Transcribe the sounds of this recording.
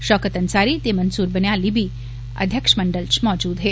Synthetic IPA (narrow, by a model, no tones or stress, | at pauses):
ʃɔːkət̪ɐnsaːɾit̪emɐnsuːɾbənjaːlibʱi | ɐ̰d̪ʱjəkʂmɐɳɖəlt͡ʃmɔːd͡ʒuːd̪ɦeː